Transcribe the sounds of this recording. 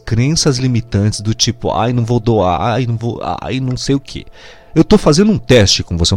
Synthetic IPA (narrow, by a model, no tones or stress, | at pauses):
kɾẽsɐzlimit̪ɐ̃nt͡ʃɪ̥zd̪ʊt͡ʃipʊ̰a̰jnɐ̃w̃vod̪oa̰ajnɐ̃w̃vo̰a̰jnɐ̃w̃sejʊkʰḛ | ewt̪ofazẽnd̪ʊũt̪ɛst͡ʃɪkõvose